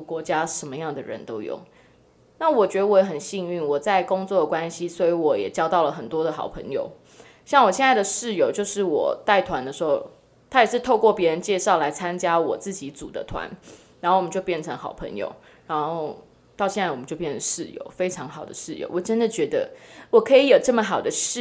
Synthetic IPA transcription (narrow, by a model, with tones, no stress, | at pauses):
kwɔ˧˥t͡ɕja˥ʂə˧˦˥nmə˧jɑ˥˩ŋd̪ə˩ɻə̰˧˦nt̪o˥ʊjʊ̰˥˩ŋ | na˥˩wɔ˨˩t͡ɕɥɛ˧˥d̪ə˧wɔ˧˥˩jɛ˧˥xə˨˩nɕi˥˧ŋy˥˩nwɔ˨˩t͡sa˥˩ɪkʊ˥ŋt͡swɔ˥˩d̪ə˩kwa˦nɕi˦swɔ˧˥y˧˥wɔ˨˩jɛ̰˨˩t͡ɕjɑ˥ʊt̪ɑ˥˩ʊlə˩xə˨˩nt̪wɔ˥d̪ə˨xɑ̰˨˩ʊpʰə̰˧˦ŋjo̰˨˩ʊ | ɕjɑ˥˩ŋwɔ˨˩ɕjɛ˥nt͡sa˥˩ɪd̪ə˨˩ʂɻ̩˥˩jo˨˩ʊt͡ɕjo˥˧ʊʂɻ̩˥˩wɔ̰˨˩t̪a˥˩ɪt̪ʰwa˧˦nd̪ə˧ʂɻ̩˧˥xo˥˩ʊ | t̪ʰa˥jɛ˨˩ʂɻ̩˥˧t̪ʰo˥˧ʊkwɔ˥˩pjɛ˧˥ɻə˧˥nt͡ɕjɛ˥˧ʂɑ˥˩ʊla˧˥ɪt͡sʰa˥nt͡ɕja˥wɔ˨˩t͡sɹ̩˥˩t͡ɕi˧˥t͡sṵ˨˩d̪ə̰˦t̪ʰwa̰˧˦n | ɻnxo˥˩wt͡ɕjpjɛ˥˩nʈ͡ʂʰɤ˧˦ŋxɑ˨˩ʊpʰə̰˧˦˥ŋjo̰˨˩ʊ | ɻa˧˥nxo˥˧ʊ | t̪ɑ˥˧ʊɕjɛ˥˧na˥˩wɔ˨˩mə˦t͡ɕo˥˧ʊpjɛ˥˩nʰə˩˦ʂɻ̩˥˩jo̰˧˩ʊfe˥ɪʈ͡ʂʰɑ˧˦˥ŋxɑ˨˩ʊd̪ə̰˦ʂɻ̩˥˩jo̰˨˧ʊwɔ˨˩ʈ͡ʂə˦˥nd̪ə˨t͡ɕɥɛ˧˥d̪ə˧wɔ˨˩kʰɤ˧˥i˧˥jo˨˩ʊʈ͡ʂɤ˥˩mə˨˩xɑ˨˩ʊd̪ə˦ʂ̩˥˨